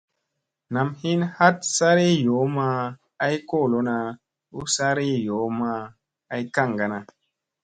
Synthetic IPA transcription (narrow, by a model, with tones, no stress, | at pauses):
na˨mhi˦nha˦t̚sa˦ɾi˦jo˨˦ma˦ | a˦jko˦˨lo˦na˧ | u˦sa˦ɾi˦jo˨˦maː˧˦ | jka˦˨ŋɡa˨na˨